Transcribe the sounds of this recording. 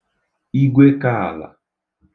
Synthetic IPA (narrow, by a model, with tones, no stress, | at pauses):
i˦ɡʷe˦ka˦˨a˨la̰˨